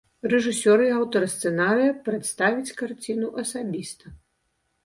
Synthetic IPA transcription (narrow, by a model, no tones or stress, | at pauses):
rɛʐɨsʲɔɾɨawt̪ɐɾst̪sɛnaɾɨjɐpɾɛt̪st̪avʲit͡sʲkart͡sʲinuʔɐsabʲist̪ɐ